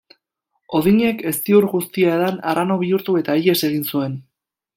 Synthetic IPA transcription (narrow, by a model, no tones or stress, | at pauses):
o̞ðiɲe̞ke̞st̪iuɾɣust̪iaðanaɾʔano̞β̞iuɾt̪ue̞t̪aije̞se̞ɣ̞insue̞n